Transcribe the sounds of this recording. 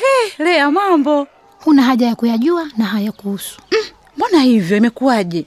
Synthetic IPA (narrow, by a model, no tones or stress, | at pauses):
hɛlɛamambɔ | hunaɦaʄajakujaʄuanaɦajakuusu̥ | mɔnahivjɔimɛkuwaʄɛ